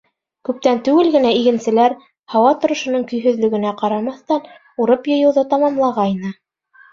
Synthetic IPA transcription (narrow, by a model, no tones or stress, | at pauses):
kʉp̚t̪ænt̪ʉɡɘlɡɘ̆næiɡɘ̆nsɘ̆læɾ | hɑwɑt̪ŏɾŏʃŏnɤɴkɵ̆jɦɵ̆ðlɵ̆ɡɘ̆næqɑɾɑmɑθt̪ɑn | uɾɤpjɤ̆jɤ̆wðɤt̪ɑmɑmlˠɑʁɑinɤ